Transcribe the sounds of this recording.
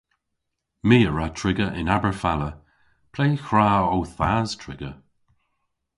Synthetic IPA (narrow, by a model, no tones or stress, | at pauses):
miːəɹatʰɹɪɡəʔɪ̰nabəɹfalə | pʰlejxɹaːowθaːz̥tʰɹɪ̰ɡə